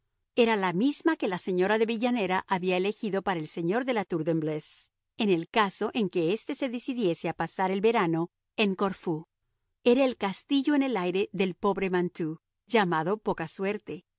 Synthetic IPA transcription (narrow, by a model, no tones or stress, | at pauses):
e̞ɾalamizmake̞lase̞ɲo̞ɾaðe̞βiʝane̞ɾaʔaβiaele̞xiðo̞paɾaelse̞ɲo̞ɾðe̞lat̪uɾðembles | e̞ne̞lkaso̞ʔe̞ŋke̞est̪e̞se̞ðisiðje̞seapasaɾe̞lβe̞ɾano̞ | e̞ŋko̞ɾfu | e̞ɾaelkast̪iʝo̞ene̞lajɾe̞ðe̞lpo̞βɾe̞mãnt̪u | ʝamaðo̞po̞kaswe̞ɾt̪e̞